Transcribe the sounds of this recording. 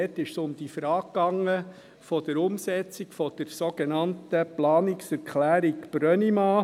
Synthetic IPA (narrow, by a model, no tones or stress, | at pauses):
ɛtɪʃsʊmd̥ifɾɑːkkːɑŋːə | fɔd̥əɾʊmsɛt͡sikfɔd̥əɾsɔɡ̥enɑntəplɑːnɪksɛɾkʰlæːɾikb̥ɾœnimɑː